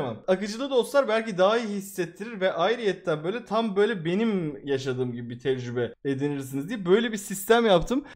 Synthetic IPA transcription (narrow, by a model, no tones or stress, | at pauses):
mamakɯd͡ʒɯlˠɯd̪o̞slˠaɾbælʲcid̪aɦajihisːɛt̪ʰːiɾiɾvɛʔajɾɯjɛt̪ʰːænbø̞jlʲɛt̪ʰambø̞jlʲɛbe̞nimjaʃad̪ɯːmɟibibit̪ʰɛvd͡ʒybɛed̪iniɾs̬inizd̪ijɛbø̞jlʲɛbisist̪æmjapt̪ʰɯm